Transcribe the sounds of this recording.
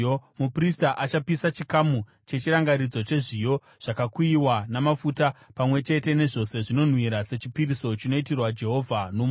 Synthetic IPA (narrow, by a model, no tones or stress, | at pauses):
mupristaʔat͡ʃapisat͡ʃikamu | t͡ʃe̞t͡ʃiɾaŋɡaɾid͡zo̞t͡ʃe̞ʐijo̞ | ʐ̥akakuiwanamafutapamwe̞t͡ʃe̞te̞ne̞ʐo̞se̞ʐino̞n̤wiɾase̞t͡ʃipiɾiso̞t͡ʃino̞itirwad͡ʒe̞ɦo̞vʱanom